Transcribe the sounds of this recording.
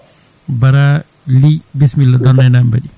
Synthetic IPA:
bɐɾa | libismilːɔd̪ɔnːajnambɐɗi

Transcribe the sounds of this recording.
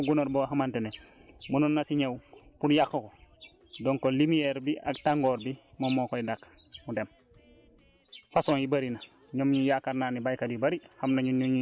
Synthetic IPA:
ɡunoɾboɦamantenemununːasiɲewpunjakːoko | doŋkolimijeɾbia̰k̚taŋɡoːɾbi | momokoidakmudem | fasoːnjibaɾinaɲomɲujakaɾnaːnibajkadibaɾihamnaɲuɲuɲ

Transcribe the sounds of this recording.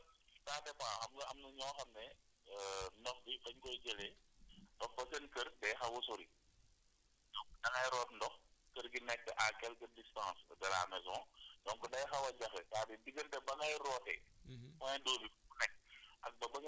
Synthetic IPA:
taːtɛpaːxɐmɡɐɐmnɐɲɔːxɐmnɛ | nɔxbibɐɲkɔjd͡ʒɛlɛtɐfɐsɐnkərdɐjxɐwɐsuɾi | dɔŋkdɐŋɐjɾɔːtndɔxkəɾɡinɛk̚tɛʔakɛlkədistãːsdɐla̰ːmɛs̬ɔ̃ːdɔŋkudɐjxɐwɐɟɐxɛtaːdidiɡəntɛbɐŋɐjrɔːtɛ̰mɔnɛdɔːbifbunɛk̚ːɐk̚bɐbɐŋ

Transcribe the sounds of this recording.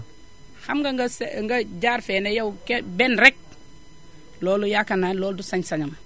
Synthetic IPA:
hamɡaɡɐsŋɡaɟaɾfenejawkebenɾek̚ | loːlujakananloːldusaɲsaɲam

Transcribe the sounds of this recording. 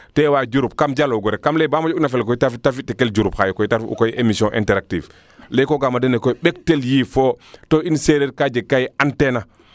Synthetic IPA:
tewad͡ʒuɾup̚kamd͡ʒaloɡɔɾekamlebamad͡ʒunafɛlk̬ɔitafitːafitːikeld͡ʒuɾuphajukɔitaɾfṵkojʔemisjɔ̃ʔḭ̃ntɛɾak̚tḭv | lekoɡamadenekoɓek̚teljiːfotoinseɾeɾkad͡ʒekːajiantena

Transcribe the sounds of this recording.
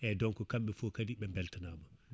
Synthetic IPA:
ʔɛdɔnkɔkamɓɛfokadiɓɛmbɛltanama

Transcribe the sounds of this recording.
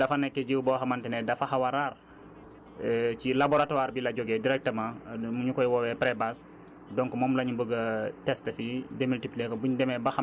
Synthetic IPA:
dɐfɐnɛkːɛɟiwbɔxɐmantɛnɛdɐfaxawaɾar | cilabɔɾatɔwaːɾbilɐɟɔɡɛdiɾɛk̚təmãmuɲukɔjwɔwɛpɾɛbas | dɔŋkmɔːmlɐɲubəɡətɛstəfidɛmiltipliɛkɔbuɲdɛmɛbɐxa

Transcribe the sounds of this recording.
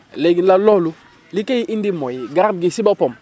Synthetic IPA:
leɡinlalolu | likeiʔindimojiɡaɾb̚ɡisibapom

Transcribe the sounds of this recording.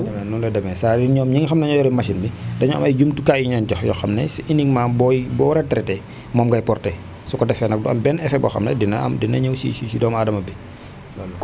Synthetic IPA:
ɛnulɛdɐmɛnsaːdiɲɔːmɲiŋxɐmnɐɲɔjɔɾimɐʃinbidɐɲɔɐ̰mɐjd͡ʒumtukaiɲɐncɔxjɔ̰xɐmnɛsiʔiniŋmaːbɔjbɔɾɛtːɾɛtɛ | mɔːmɡɐjpɔrtɛ | sukɔdɛfɛnɐk̚dɐmbɛnɛfɛbɔ̰xɐ̰mnɛ̰dinɐɐ̰mdinːɐɲɐwsḭsisidɔːmaːdɐmɐbɛ

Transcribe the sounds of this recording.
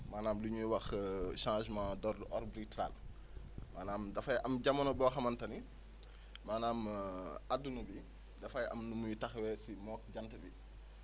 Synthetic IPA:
maːnaːmluɲuwɐxʃãːʃmadɔrdʔɔrbɾitla̰ːl | maːnaːmdɐfɐjʔɐmɟɐmɐnɔbɔːxɐmɐntɐni | maːnaːmadːunubi | dɐfɐjʔɐ̰mnumujutɐxwɛsimɔːk̚ɟɐntɐbi

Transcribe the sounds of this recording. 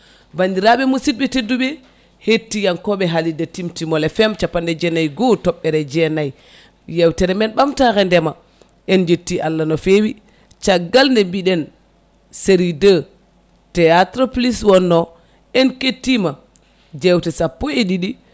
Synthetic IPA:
bandiɾaɓɛmusit̚ɓɛtedːuɓɛ | hetːijankɔɓɛɦalidatimtimɔlɛfɛmt͡ʃapːandɛd͡ʒɛnajɡɔtɔɓːɛɾɛd͡ʒɛnaj | jɛwtɛɾɛmɛnɓamtakɛndɛma | ɛnd͡ʒetːiʔalːanɔfewi | t͡ʃaɡːalndɛmbiɗɛn | seɾidə | tɛatɾɔpliswɔnːɔ | ɛnketːima | d͡ʒɛwtɛsapːɔeɗiɗi

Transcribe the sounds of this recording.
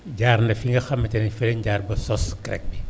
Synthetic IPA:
ɟaːɾnɐfiŋɡɐxɐmːɐtɐnɛfɛlɛɲɟaːɾbɐsɔskɾɛ̰k̚bi

